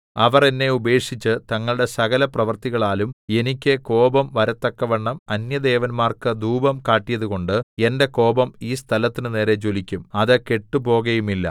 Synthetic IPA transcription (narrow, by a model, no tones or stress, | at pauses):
ɐʋɐrenːe̞ube̞ːkʂit͡ɕːɨt̪ɐŋːɐɭɽe̞sɐɣɐlɐprɐʋɐrt̪iɣɐɭaːlume̞nikʲːɨko̞ːbɐmʋɐɾɐt̪ːɐkːɐʋeɳːɐmɐnjɐd̪e̞ːʋɐnmaːrkɨd̪uːbɐmkaːʈːijɐðuɣo̞ɳɖɨe̞nde̞ko̞ːbɐmiːst̪ʰɐlɐt̪ːinɨne̞ːɾe̞t͡ɕolikʲːumɐðɨke̞ʈːupo̞ːɣɐjumilːɐ̰